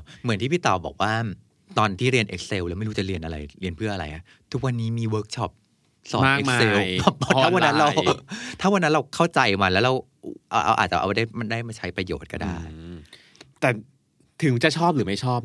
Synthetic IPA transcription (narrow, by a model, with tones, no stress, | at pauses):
mɯ˩˦nt̪ʰiː˥˩iː˥˩t̪ɔː˨˩bɔ̰ː˨˩k̚waː˥˩ | t̪ɔː˧nt̪ʰiː˥˩ɾi˧ənʔe˦k̚se˧wlɛː˧˦˥m˥˩jɾu˦˥t͡ɕa˨˩ɾi˧ənʔa˧ɾa̰˧jɾi˧ənpʰɯ˥˩əʔa˧a̰˧jkʰa˦˥ | t̪ʰu˦˥k̚wa˧nːiː˦˥miː˧wəː˦˥k̚t͡ɕʰɔ˦˥˩p̚ | sɔː˨˩aː˥˩e˦˥˧se˧˥wpɔ˦˥pɔ˦˥tʰa˥˧˩wa˧nːa˦˥nɾa˧wt̪ʰa˥˩wa˧nːa˦nɾa˧wkʰa˥˩wt͡ɕa˧jma˧lɛ˦˥wɾa˧w | ʔa˧wʔa̰˧wʔaː˨˩t̪̚t͡ɕa̰˨˩ʔa̰˧˩˧da˥˩jma˧daː˥˩jma˧˩t͡ɕʰa˦˥jpɾa˧jo̰ː˨˩t̪̚ka̰˧˩daː˥˩j | t̪ɛː˨˩ | t̪ʰɯ˨˩˦ŋt͡ɕa˨t͡ɕʰɔː˥˩p̚ɾɯː˩˦ma˥˩jt͡ɕʰɔː˥˩p̚